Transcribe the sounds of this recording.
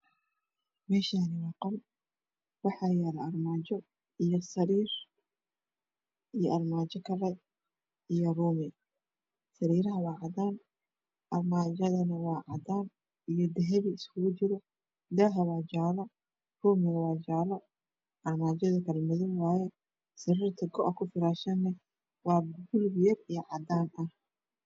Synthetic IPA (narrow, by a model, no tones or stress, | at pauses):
mɛːʃaːnɪwɑːqɔl | wɑħɑːjaːlɐɐrmaːt͡ʃɔ | ijɔsɐɾiːr | ʔijɔʔɐrmaːt͡ʃɐkʰɐɾɛ | ijɔruːmɪ | sɐɾiːɾɐɦɐwɑːʕɑd̪aːn | ʔɐrmaːd͡ʒɐðɐnɐwɑːʕɑd̪aːn | ijɔd̪ɛɦɛβiɪskʰʊɣʊt͡ʃɪɾɔ | d̪aːɦɐwɑːt͡ʃaːlɐ | ruːmɪnɐwɑːt͡ʃaːlɐ | ʔɐrmaːd͡ʒɐðɐkʰɐlɛmʊðɪnwɑːjɛ | sɐɾiːrt̪ʰɐɡɔʔɔkʰʊfɪɾaːʃɐnːɐ | wɑːɡʊlbɪjɐrijɔʕɑd̪aːnɐh